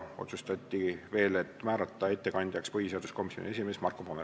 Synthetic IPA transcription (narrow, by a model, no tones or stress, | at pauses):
o̞̰t̪sust̪ɑt̪ʲːˑive̞ːle̞t̪ːmæːɾɑt̪ːˑɑe̞t̪ːe̞kɑnʲd̪̥ʲjɑkspɤhise̞ɑd̪̥usko̞misːˑjonʲie̞sime̞smɑrkopome